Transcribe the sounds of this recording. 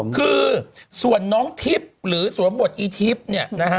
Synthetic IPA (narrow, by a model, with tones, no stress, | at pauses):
kʰɯː˧su˨˩ənːɔː˦˥ŋt̪ʰi˦˥p̚ɾɯː˩˦su˨˩˦nbo˨˩t̪̚ʔiː˧t̪ʰi˦˥p̚ni˥˩əna˦˥k